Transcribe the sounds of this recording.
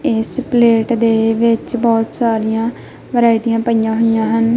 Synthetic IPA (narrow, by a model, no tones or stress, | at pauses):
ɪspleːʈd̪eːʋɪt͡ʃbɔːt̪saːɾijãː | ʋəɾaːɪʈijãːpəijãːɦoijãːɦən